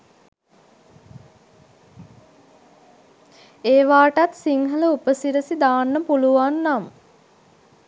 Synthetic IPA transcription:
eːʋaːʈat̪siŋɦələupəsiɾəsid̪aːnːəpuluʋanːam

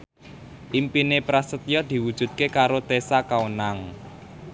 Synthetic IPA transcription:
ʔimpinepɾasət̪jɔd̪̥i̤wud̥ʒ̥ṳt̪̚kekaɾot̪esakawnaŋ

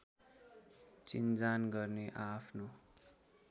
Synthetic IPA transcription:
t͡sind͡zanɡʌrneʔapʰno

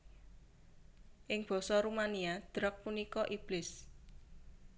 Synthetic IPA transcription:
ʔɪŋb̥ɔ̤sɔɾumaniad̪̥ɾək̚punikɔʔib̥lɪs

